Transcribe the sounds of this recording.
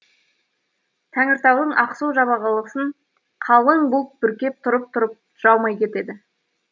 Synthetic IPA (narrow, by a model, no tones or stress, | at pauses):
t̪ʰæŋɪɾt̪ɑwd̪əɴʔɑqsuwʒɑβɑʁəlˠəsəɴ | qʰɑlˠəɴbʊlˠəp̪̚bʏɾkʲe̞p̚t̪ʰʊɾəp̚t̪ʰʊɾəp̚ | ʒ̥ɑwˠmɑjkʲʰe̞t̪e̞d̪ɪ